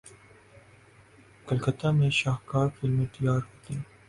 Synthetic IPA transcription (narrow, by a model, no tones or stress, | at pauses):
kɐlkət̪amẽʃaːhkaːɾfɪlmẽt̪ɐjaːɾɦoːt̪iɛ̃